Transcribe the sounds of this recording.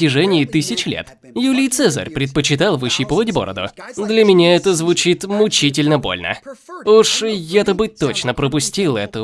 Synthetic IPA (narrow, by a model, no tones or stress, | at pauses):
ɪʐɛnʲɪːt̪ɨsʲɪt͡ɕlʲḛt̪ | julʲɪjt̪sɛzə̰rʲpɾʲɪt̪̚pət͡ɕɪt̪alˠvɨɕːipəvətʲbo̞̰ɾə̰d̪ʊ̰d̪lʲɐmʲɪnʲaɛt̪əzvʊt͡ɕit̪mʊt͡ɕitʲɪlʲnəbo̞̰lʲnə̰uʂjat̪əbɨt̪ːot͡ɕnəpɾəpʊsʲtʲilˠɛt̪ə